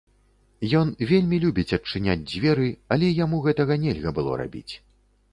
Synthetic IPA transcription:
jɔnvʲelʲmʲilʲubʲit͡sʲɐt͡ʂɨnʲa̰d͡zʲd͡zʲvʲɛɾɨɐlʲɛjamuɣɛt̪ɐɣɐnʲɛlʲɣɐbɨlˠɔ̰ɾa̰bʲḭt͡sʲ

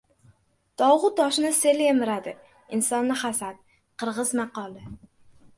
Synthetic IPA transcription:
d̪̥ɒwʁʊt̪ːɒʃnɪse̞lemɪɾad̪ɪ | ɪnsɒnːɪχasat̪̚ | qʰɨɾʁɨzmɑqɒlˠɪ

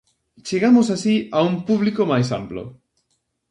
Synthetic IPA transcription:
t͡ʃeɣamosasiaumpuβlikomajsa̰mplo̰

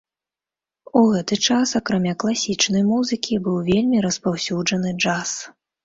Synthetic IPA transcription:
uɣɛt̪ɨt͡ʂasakɾamʲaklˠasʲit͡ʂnɐjmuzɨkʲibɨwvʲelʲmʲiɾɐspawsʲud͡ʐɐnɨd͡ʐas

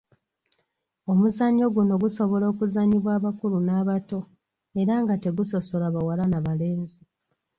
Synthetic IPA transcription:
o̞muzaɲo̞ɡuno̞ɡuso̞βo̞lo̞ːkuzaɲiβwaːβakulunaːβato̞ | e̞ɾaŋɡate̞ɡuso̞so̞laβawalanaβale̞ːnzi

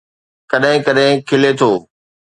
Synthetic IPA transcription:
kɐɗɦɪ̃kɐɗɦɪ̃kʰɪlet̪ʰoː

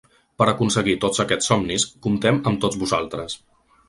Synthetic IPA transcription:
pəɾəkunsəɣit̪ozəkɛt͡ssɔmniskumt̪ɛməmt̪od͡zβuza̰lˠt̪ɾəs

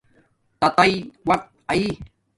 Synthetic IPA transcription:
t̪at̪ajwat̪̚ai

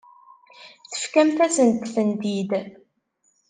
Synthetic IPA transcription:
θə̥fkæmθæsənt̪θənd̪id̪

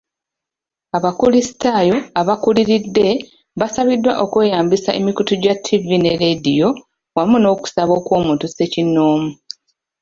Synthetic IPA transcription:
aβakulisi̥taːjo̞aβakuliɾidːe̞ | βasaβidːwa̰ʔo̞kwe̞ːjaːmbisaʔḛmikutuɟatʰːivineɾedijo̞ | wamuno̞ːku̥saβo̞ːkwo̞ːmutuse̞cinoːmu

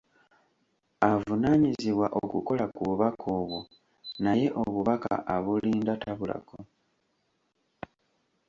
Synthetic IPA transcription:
avunaːɲiziβwaʔokuko̞lakuβuβakʰoːβwo | naje̞ʔoβuβaka̰ʔaβuliːndataβula̰ko

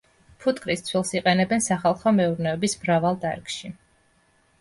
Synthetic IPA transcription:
pʰut̪kʼɾist̪sʰwilˠsiqʼɛnɛbɛnsaχalˠχɔmɛuɾnɛɔbismɾavalˠt̪ʼa̰ɾkʼʃi

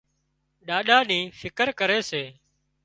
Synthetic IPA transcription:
ɗaːɗaːniːfʰɪkəɾkəɾeːseː

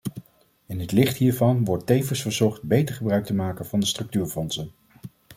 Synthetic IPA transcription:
ɪnɦətlɪχtɦiːɹvɑnʋɔɹtːejvəsfəɹzɔχt̚bejtəɹχəbrœɥk̚təmaːkənvɑndəstrɵk̚tyːɹfɔnsən

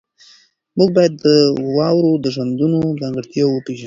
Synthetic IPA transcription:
muɡ̚bɑjad̪ːəwɑwɾod̪əʒwand̪unod͡zɑŋɡəɽt̪jɑwəpeʒan

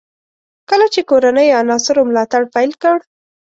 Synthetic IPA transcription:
kəlat͡ʃekoɾanəjanɑsɪɾomlɑt̪aɽpajlkəɽ

